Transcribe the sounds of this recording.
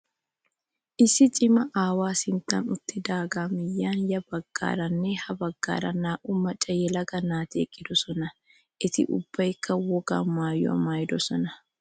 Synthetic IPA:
ʔɪsɪt͡ʃʼɪmɐʔaːwaːsɪnt̪anʊt̪ːɪd̪aːɡaːmɪjːaːnjɐbɐɡ̥ːa̰ːɾɐnːehɐbɐɡ̥ːa̰ːɾɐ̰nːaːʔʊmɐt͡ʃʼːɐjɛlɐɡɐnaːt̪ḛːkʼːɪd̪ɔsɔnɐ | ʔɪt̪ɪ̰ʔʊ̰b̥ːɐɪkːɐwɔɡa̰ːaːjːɔ̰ɐ̰maːjd̪ɔsɔnɐ

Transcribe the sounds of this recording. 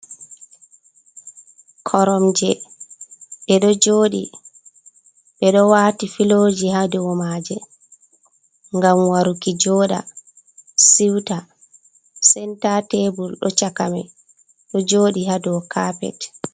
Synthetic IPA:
kʰɔɾɔmd͡ʒɛ | ɓɛɗɔd͡ʒoːɗḭ | ɓɛɗɔwatifilod͡ʒihadɛwɔmaːd͡ʒɛ | ŋɡamwaɾukid͡ʒɔːɗa̰ | siwta | sɛntatebulɗɔt͡ʃakamɛ̰ | ɗɔd͡ʒoːɗihadɛwɔkʰaːpɛ̰t

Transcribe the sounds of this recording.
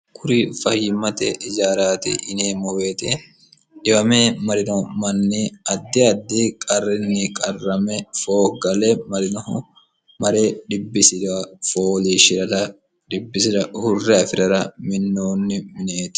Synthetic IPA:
kʰʊɾifɐhːɪmɐt̪ɛ̰ʔɪd͡ʒaːɾaːt̪ɪ̰ʔɪneːmɔweːt̪ɛ | ᶑɪbɐmeːmɐɾɪnomɐnːiɐd̪ːɪɐd̪ːikʼɐrːɪnːɪkʼɐrːɐmɛfo̞ːɡɐlɛmɐɾɪn | mɐɾeːᶑ̪ɪbːɪsɪᶑɐfoːliːʃɪɾɐt̪ɐ | d̪ɪbːɪsɪɾɐhʊrːɛɐfɪɾɐɾɐmɪnːoːnːɪmɪneːt̪ɪ̥

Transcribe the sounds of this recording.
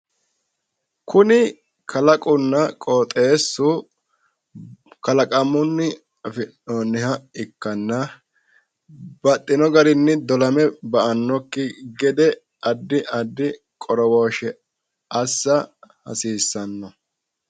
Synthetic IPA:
kʰʊnɪ | kʰɐlɐkʼʊnːɐkʼoːt̪ʼeːsːu | kɐlɐkʼɐmʊnːɪ | ɐfɪnoːnːɪhɐɪkːɐnːɐ | bɐt̪ʼːɪnɔɡɐɾɪnːɪd̪ɔlɐmɛbɐʔɐnːɔkːɪɡɛd̪ɛ | ɐd̪ːɪʔɐd̪ːɪ | kʼɔɾɔwoːʃɛ | ɐsːɐhɐ̰siːsːɐnːɔ

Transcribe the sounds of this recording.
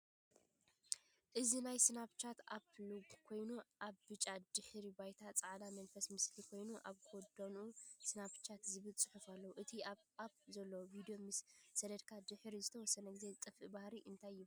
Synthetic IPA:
ʔɨzinajsɨnaβt͡ʃʰat̪apluɡkʰo̞jnuʔaβbɨt͡ʃʼad̪̥ɨħɾibajt̪ʰat͡sʼaʕd̪amɐnfɐsmɨslikʰo̞jnuʔaβkʰod̪onusɨnaβt͡ʃʰat̪zɨβɨlt͡sʼɨħufalːɐwuʔɨt̪ʰiaβap̚zɐlːowvid̪ijo̞mɨsːɐd̪ɐd̪kʰad̪ɨħɾizɨt̪ʰɐwɔsːɐnɐɡɨzet̪ʼɐfʔɨbahɾiʔɨnt̪ʰajːɪβu

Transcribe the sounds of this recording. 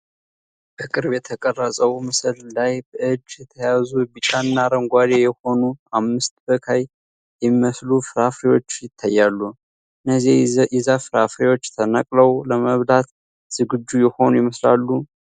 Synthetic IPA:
b̥əkʼɨɾbjɛt̪ʰəkʼərːəsʼəwmɨslːajbəɨd͡ʒːjɛt̪ʰəjazubit͡ʃʼannːaɾəŋɡʷad̪ejɛho̞nuamːɨst̪bəkʰaj | jɛmiməslufɨɾafɾewo̞t͡ʃːjɪt̪ʰːajːalːu | ɨnːəziʔizafɨɾafɾewo̞t͡ʃːt̪ʰənakʼləwləməβd̪at̪ | z̥ɨɡɨd͡ʒːujɛho̞nujɪməslalːu

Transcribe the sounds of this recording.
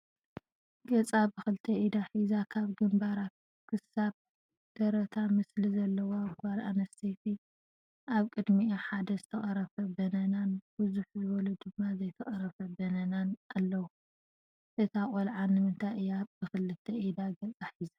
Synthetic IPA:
ɡ̥ɐt͡sʼabɨxɨlɨt̪ʰɐʔid̪aħizakʰaβɡɨmbaɾa | kʰɨsaβ | d̪̥ɐɾɐt̪ʰamɨslizɐlːɐwoakalʔa̰nɐst̪ʰet̪ʰi | ʔaβkʼɨd̪miħad̪ɐzɨt̪ʰɐxʼɐɾɐfɐbɐnɐnanbɨzuħzɨβɔlud̪ɨmːazɐjt̪ʰɐxʼɐɾɐfɐbɐnɐnanalːɐwu | ʔɨt̪ʰakʼolʕanːɨmɨnt̪ʰajɨjab̥ɨxɨlɨt̪ʰːɐʔid̪aɡɐt͡sʼaħiza

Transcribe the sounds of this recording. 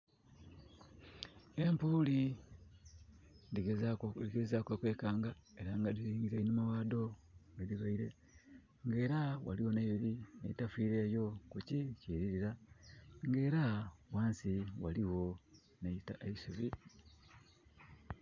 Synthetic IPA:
empuːli | diɡeziɡezakwakwe̞ːkaːŋɡa | e̞ɾaŋɡadiɾiːŋɡiɾeinimawaːd̪o̞ediβaiɾe̞ | ŋɡe̞ːɾawa̰liwo̞neiβiɾinḛitafiːɾe̞ːjo̞kuciciːɾiɾiɾa | ŋɡe̞ːɾawaːnsiwaliwo̞ | netaeisuβi

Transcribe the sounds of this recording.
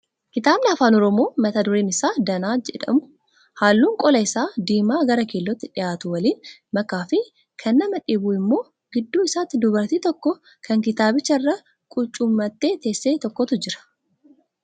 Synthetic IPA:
kɪt̪aːbnɪɐfaːnɔɾɔmo̞ːmɐt̪ɐd̪ʊɾeːnɪsaːd̪ɐnaːd͡ʒɛ̰ᶑɐ̰mʊ̥ | haːlːuːŋkʼɔlɐɪsaːd̪iːmaːɡɐɾɐkeːlːɔt̪ːɪᶑɪjaːt̪ʊwɐliːnmɐkaːfɪ | kʰɐnːɐmɐᶑɪbuːɪmːo̞ː | ɡɪd̪ːuːɪsaːt̪ːɪd̪ʊbɐɾt̪iːt̪ɔkːɔ | kʰɐŋkɪt̪aːbɪt͡ʃːɐɪrːɐ | kʼʊt͡ʃʼʊmːɐt̪ːe̞ːt̪e̞ːsːeːt̪ɔkːɔt̪ʊd͡ʒɪɾɐ̥

